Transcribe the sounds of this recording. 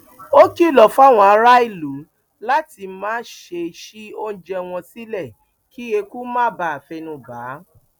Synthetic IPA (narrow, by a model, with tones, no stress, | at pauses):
o˦ki˦˨lɔ˨fa˦˨w̃ɔ̃˧a˧˦ɾa˦i˦˨lu˨˦ | la˦ti˧mãː˦ʃe˧ʃi˦o˦n̩˦d͡ʒɛ˧w̃ɔ̃˧si˦lɛ˦˨ | kʰi˦e˧ku˦mãː˦ba˧˨a˨fɛ˧nũ˧baː˨˦